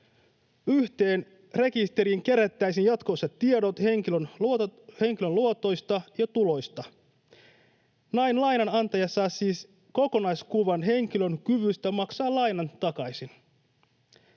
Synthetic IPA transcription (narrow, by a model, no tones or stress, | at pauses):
yht̪e̞ːn | re̞kist̪e̞ɾiŋk̟e̞ɾæt̪ːæjsinjɑt̪ko̞set̪ːiedo̞t̪he̞ŋkilønhe̞ŋkilønluot̪o̞jst̪ɑjɑt̪ulo̞jst̪ɑ | nɑjnlɑjnɑnɑnt̪ɑjɑsɑːsiːs | ko̞ko̞nɑjskuʋɑnɦe̞ŋk̟ilø̞nkyʋyst̪æmɑksɑːlɑjnɑnt̪ɑkɑjsin